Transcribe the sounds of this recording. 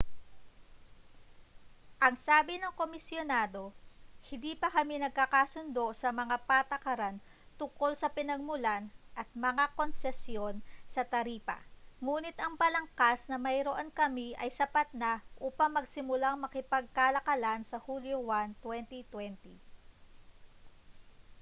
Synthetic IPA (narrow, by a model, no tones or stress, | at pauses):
ʔɐŋsaːbɪnɐŋko̞mɪsjonaːd̪o̞hɪnd̪iːpɐkɐmɪnɐɡ̚kakasʊnd̪o̞sɐmɐŋapat̪ɐkɐɾan | t̪ʊŋko̞lsɐpɪnɐɡ̚mʊlanʔɐt̪̚mɐŋako̞nsɛsjo̞nsɐt̪ɐɾiːpɐ̰ŋuːnɪt̪ɐŋpɐlɐŋkasnɐmɐjɾoʔonkɐmiʔɐjsɐpat̪̚naʔuːpɐŋmɐɡsɪmʊlaŋmɐkɪpɐɡ̚kalɐkɐlansɐhuljowant̪wɛnt̪it̪wɛnt̪i